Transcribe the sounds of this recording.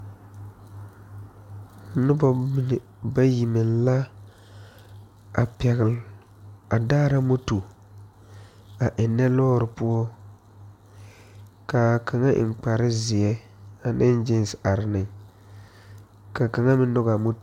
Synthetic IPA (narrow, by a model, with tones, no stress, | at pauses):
nɪ˦bɔ˦n˨ | ba˦ji˨mɪ˨nla˦ | a˨pɛ˨ɣɪ˨l | a˨daː˦ɾa˦mo˦tu˨ | a˨ʔɪ˨nːɛ˦lɔː˦ɾɪ˨pʊ˦ɔ˦ | ka˨kʰa˨ŋa˦ʔɪ̰˨ŋ͡mk͡pa˨ɾɪ˦zɪ˨ɛ˦ | a˨nɪ˦n˦d͡ʒɪ˦n˦sa˨ɾɪ˨nɪ˨ŋ | ka˨ka˨ŋa˦mɪ˦n˦ɔ˦ɣa˨mo˦t